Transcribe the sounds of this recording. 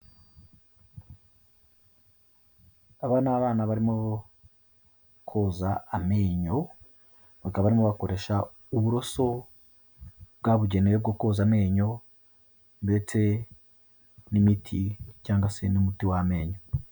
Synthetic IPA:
aβanaβaːnaβaɾimo | kʰozaameːɲo̞ | βakaββaɾimo̞βako̞ɾe̞ːʃa | uβuɾo̞so̞ | b̚ɡaβuɟeneweb̚ɡo̞ko̞ːzame̞ːɲo̞ | nbe̞t͡se̞ | nimitʰicaːŋɡase̞nimutiwame̞ːɲo

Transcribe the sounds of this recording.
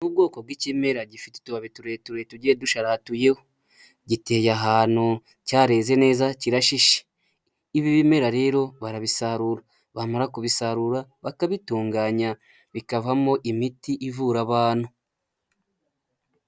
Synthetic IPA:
nuːb̚ɡo̞ːko̞b̚ɡicime̞ɾaɟifite̥tuβaβetuɾetuɾetuɟeduʃaɾatuje̞ho | ɟite̞ːjaɦaːnhu | caːɾe̞ːze̞ne̞ːzaciɾaʃiʃe̥ | iβiβime̞ɾaɾe̞ːɾo̞βaɾaβisaɾuɾa | βamaɾakuβisaɾuɾaβakaβituːŋɡaːɲa | βikavamo̞ʔimitiʔivuɾaβaːnhu

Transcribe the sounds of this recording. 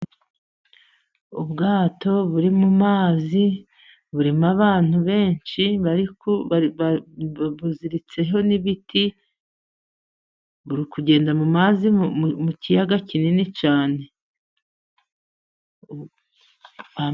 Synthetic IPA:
ubɡaːto̞βuɾimumaːzi | βuɾimaβaːn̥huβe̞ːnʃiβaɾikoaβ | βuziɾit͡se̞ɦo̞niβitʰi | βuɾikuɟe̞ːndamumaːzimucijaɡacininit͡ʃaːne̞ | a

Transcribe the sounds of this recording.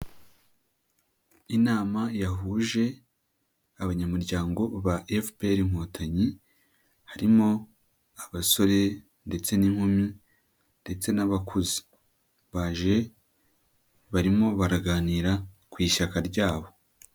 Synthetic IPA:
inaːmajaɦuːʒe̞ | aβaɲamuɾɟaːŋɡo̞βaʔefpeɾiŋ̥otʰaɲi | haɾimo̞ | aβaso̞ɾe̞ | nde̞t͡se̞niŋ̥humi | nde̞t͡se̞naβakʰuzi̥ | βaʒe̞ | βaɾimo̞βaɾaɡaːniːɾa | kwiːʃakaɾɟaːβo̞

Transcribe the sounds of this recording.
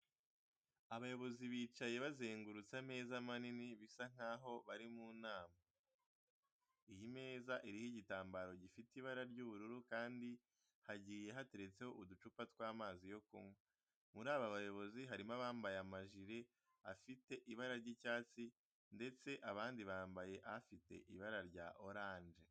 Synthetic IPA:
aβajo̞βo̞ziβiːt͡ʃaje̞βazeːŋɡuɾut͡same̞ːzamaniniβisaŋ̥aːɦo̞βaɾimuːnaːma | ijime̞ːzaʔiɾihiɟitaːmbaɾo̞ɟifitiβaɾaɾɟuβuɾuɾukaːndi | haɟiːje̞ɦate̞ɾe̞t͡se̞ho̞ʔudut͡ʃupatkwaːmaːzijo̞kumwe | muɾaːβaβajo̞βo̞ziɦaɾimaβaːmbajamaʒiɾe̞ | afite̞ʔiβaɾaɾɟicaːt͡si | nde̞t͡se̞ʔaβaːndiβaːmbaje̞ʔaafite̞̰ʔiβaɾaɾɟa̰ʔo̞ɾaːnd͡ʒe

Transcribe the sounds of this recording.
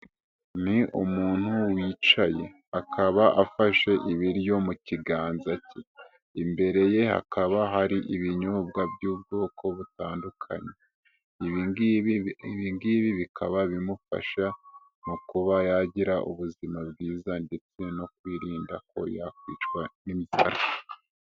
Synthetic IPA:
niʔumuːn̥huwiːt͡ʃaje̞̰ | akʰaβaʔafaʃe̞ʔiβiɾjo̞muciɡaːnzace | imbe̞ɾe̞je̞ha̰kaβaɦaɾiʔiβiɲobɡabjuːb̚ɡo̞ːkʰo̞βutaːndukʰa̰ɲe̞ | iβi | βiŋɡiːβiβikʰaβaβimufa̰ʃa | nukuβajaɟiɾaʔṵβuzimabɡiːzande̞t͡se̞no̞kwiːɾiːnda̰ko̞̰jakwḭːt͡ʃkwanimiza̰ɾa

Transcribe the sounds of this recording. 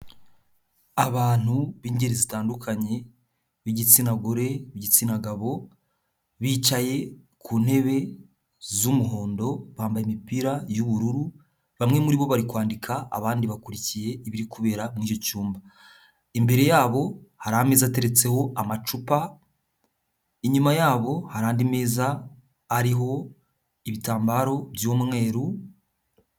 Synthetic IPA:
aβaːn̥huβiːɲɟeɾizitaːndukʰaɲe̞ | βiɟit͡sinaɡoɾe̞βiɟit͡sinaɡaβo̞ | βiːt͡ʃaje̞ | kʰuːn̥he̞βe̞ | zumuɦo̞ːndo̞βaːmbajimipiɾajuβuɾuɾu | βamŋe̞muɾiβo̞βaɾikwaːndikʰa̰ːβaːndiβakuɾicije̞iβiɾikuβe̞ːɾamŋiːco̞cuːmba | imbe̞ɾe̞jaːβo̞haɾahameːzate̞ɾe̞t͡se̞ho̞ʔamat͡ʃupa | iɲumajaːβo̞haɾaːndime̞ːzaː | ɾiɦo̞ | iβitaːmbaɾo̞βjommŋe̞ːɾu

